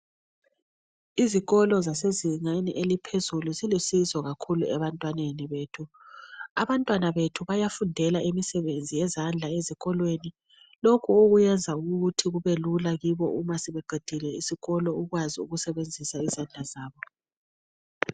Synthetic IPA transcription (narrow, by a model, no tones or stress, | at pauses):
iziɣɔlɔzaseziŋenḭʔelipʰezuluzilisizɔɣakʰuluɛβantʼwaneniβeːtʰu | aβantʼwanaβetʰuβajafundʱɛlaʔimisɛβend͡zʱijɛzand͡ɮʱaeziɣɔlweni | lokʰuoɣujɛnd͡zʱauɣɣutʰiɣuβelulaɣiβɔ̰ʔumasɛβɛɡ͡ǃʱid̥ʱilɛisiɣɔlɔuɣwaziṵɣusɛβend͡zʱisaizand͡ɮʱazaːβɔ